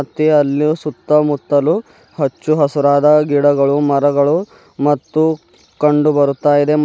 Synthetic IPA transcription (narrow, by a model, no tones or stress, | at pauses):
t̪ːiɐlːsut̪ːɐmut̪ːɐlu | hɐt͡ʃːuɦɐsuɾaːd̪ɐɡiɽɐɡɐɭumɐɾɐɡɐɭu | mɐt̪ːu | kɐɳɖubɐɾut̪ːaːjid̪e̞